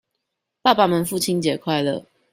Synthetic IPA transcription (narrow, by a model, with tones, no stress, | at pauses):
pa˥˧pa˨mə˨˦nfu˥˨t͡ɕʰi˦nt͡ɕjɛ˨˩kʰwa˥˨ɪlə̰˨